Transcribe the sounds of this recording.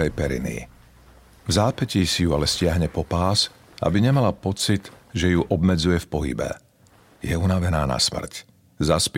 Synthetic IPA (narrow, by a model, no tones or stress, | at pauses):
ɛjpɛɾḭnḭ | vzaːpɛciːsijualɛscɪaɦɲɛpɔpaːs | a̰biɲɛmalapɔt͡sit̪ʒɛjuʔɔbmɛd͡zujɛfpɔɦḭbɛ̰ | jɛunaʋɛnaːna̰smr̩c | zasp